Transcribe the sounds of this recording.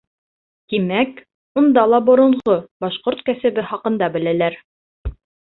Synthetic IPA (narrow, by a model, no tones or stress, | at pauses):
t̪imæk | und̪ɑlˠɑbŏɾɤ̆ɴʁobɑʃqoɾt̪kæsɘ̆bɘχɑqɤ̆nd̪ɑbɘ̆lælæɾ